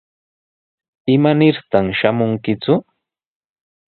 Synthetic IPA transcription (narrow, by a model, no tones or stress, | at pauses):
ɪmanɪɾt̪amʃamʊŋkɪt͡sʊ